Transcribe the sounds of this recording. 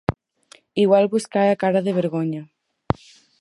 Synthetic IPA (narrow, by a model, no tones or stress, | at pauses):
iɣwalβuskaɾakaɾaðeβ̞eɾɣoɲɐ